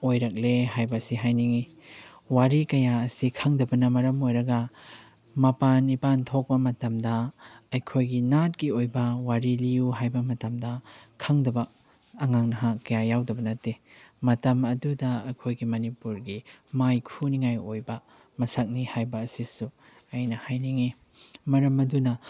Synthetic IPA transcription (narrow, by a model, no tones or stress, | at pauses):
ojɾɐk̚leɦajbɐsiɦajniŋi | waɾikɐjaɐsikʰɐŋdɐbɐnɐmɐɾɐmojɾɐɡɐ | mɐpanːipantʰok̚bɐmɐtɐmdɐɐjkʰojɡinat̚kiojbɐwaɾilijuɦajbɐmɐtɐmdɐkʰɐŋdɐbɐː | ŋaŋnɐɦakɐjajawdɐbɐnɐtːemɐtɐmɐdudɐɐkʰojɡimɐnipuɾɡimajkʰuniŋajojbɐ | mɐsak̚nihajbɐːsisu | ajnɐhajniŋi | mɐɾɐmɐdunɐ